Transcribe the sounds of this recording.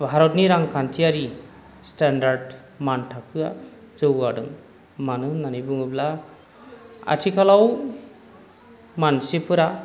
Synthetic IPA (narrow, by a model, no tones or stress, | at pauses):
bʱaɾɔtniɾaŋkʰantʰiaɾi | standaɾɖ | mantʰakʰɯa | zɯwaɖɯŋ | manɯnanibɯŋɯbla | a̰tʰikʰalaw | mansepʰɯɾa